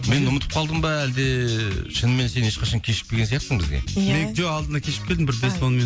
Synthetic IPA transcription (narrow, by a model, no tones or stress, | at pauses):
me̞nʊmət̪ə̥p̚qʰɑlˠd̪əmbɑæld̪eʃənme̞nse̞neʃqɑʃɑŋkʲʰe̞ʃɪ̥k̪̚ʲeɡʲenjɑqsəɴbɪzɡʲḛmed͡ʒoɑlˠd̪ənɑkʲʰe̞ʃɪp̚kʲe̞ld̪ɪmbɪɾbeswonme